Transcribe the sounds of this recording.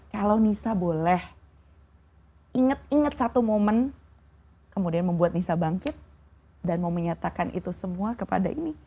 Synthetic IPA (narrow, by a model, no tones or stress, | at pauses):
kalawnisabolɛh | iŋət̪̚iŋət̪̚sat̪umomən | kəmudianməmbuat̪̚nisabaŋkɪt̪̚ | danmauməɲat̪akanʔḭt̪usəmuakəpa̰da̰ʔini